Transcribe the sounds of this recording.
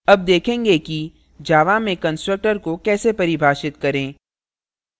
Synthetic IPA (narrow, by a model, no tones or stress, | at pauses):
ɐb̚d̪eːkʰẽːŋɡeki | d͡ʒaːʋamẽkɐ̃nsʈɾək̚ʈəɾkokɛːsepɐɾibʱaːʃɪt̪kɐɾẽː